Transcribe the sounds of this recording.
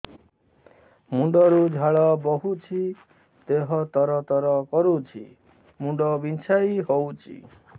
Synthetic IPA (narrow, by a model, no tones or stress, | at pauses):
muɳɖɔɾud͡ʒʱaɭɔbɔɦut͡ʃʰi | t̪eɦɔt̪ɔɾɔt̪ɔɾɔkɔɾut͡ʃʰḭ | muɳɖɔbint͡ʃʰajiɦowt͡ʃʰḭ